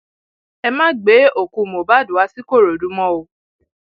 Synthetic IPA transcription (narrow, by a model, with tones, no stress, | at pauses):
ɛ˧mã˦ɡ͡be˨˦o˨kũ˧˨mo˨ba˦du˨a˧˦si˦ko˦˨ɾo˨du˨˦mɔ̃˦o˧˨